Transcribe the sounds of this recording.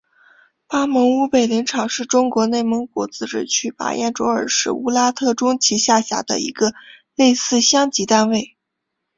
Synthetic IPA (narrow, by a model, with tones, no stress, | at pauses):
pa˥mɤ˧˥ŋu˥pe˨˩ɪli˧˥ŋʈ͡ʂʰɑ˨˩ʊʂɻ̩˥˩ʈ͡ʂʊ˥ŋkwɔ˧˥ne˥˩ɪmɤ˧˥ŋkɔ˧˥t͡sɹ̩˥ʈ͡ʂɻ̩˥˩t͡ɕʰy˥˩pa̰˨˧˥jɛ̰˥˩nʈ͡ʂwɔ˧˥ə̰˞˨˩ʂɻ̩˥˩u˥la˥t̪ʰɤ˥˩ʈ͡ʂʊ˥ŋt͡ɕʰi˧˥ɕja˥˩ɕja̰˨˩d̪ə̰˧ḭ˧˥ɡə˧ | le˥˧ɪsɹ̩˥˧ɕjɑ˥ŋt͡ɕi˧˥t̪a˥˧nwe˥˩ɪ